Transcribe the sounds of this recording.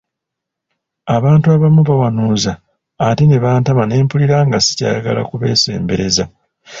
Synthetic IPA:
aβaːntuaβamuβawanuːzaː | tineβaːntamane̞ːmpuliɾaŋɡasi̥ca̰ːja̰ɡa̰la̰kuβe̞̰ːse̞̰ːmbe̞ɾe̞za

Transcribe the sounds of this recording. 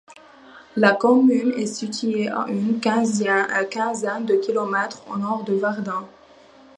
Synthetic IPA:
lakɔmynɛsit̪ʰɥeʔa̰ʔynkɛ̃zkʲɛ̃zɛnd̪əkʲilɔmɛt̪χo̰nɔʁd̪əvaʁd̪ɛ̃

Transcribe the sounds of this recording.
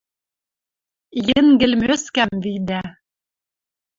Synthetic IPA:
jɘ̆ŋɡɘ̆lmøskæmvid̪æ

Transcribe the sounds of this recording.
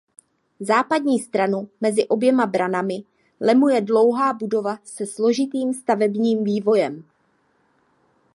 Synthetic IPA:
zaːpadɲiːst̪ɾanumɛzɪʔo̞bjɛmabɾanamɪ | lɛmujɛdlo̞wɦaːbudo̞vasɛslo̞ʒɪt̪iːmst̪avɛbɲiːmviːvo̞jɛm

